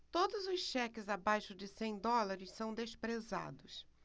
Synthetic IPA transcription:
t̪od̪ʊzʊsʃɛkɪzabajʃʊd͡ʒɪsẽj̃d̪ɔlaɾɪssɐ̃w̃d̪espɾeza̰d̪ʊs

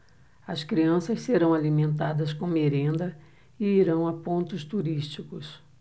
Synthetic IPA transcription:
ɐskɾiɐ̃sɐsseɾɐ̃w̃alimẽnt̪ad̪ɐskõmeɾẽnd̪ɐ | ɪiɾɐ̃w̃apõnt̪ʊst̪uɾist͡ʃikʊs

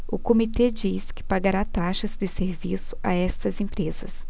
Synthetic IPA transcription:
ʊkomit̪ed͡ʒiskɪ̥paɡaɾat̪aʃɐzd̪ɪseɾvisʊ̥ʔa̰ɛst̪ɐzẽmpɾezɐs

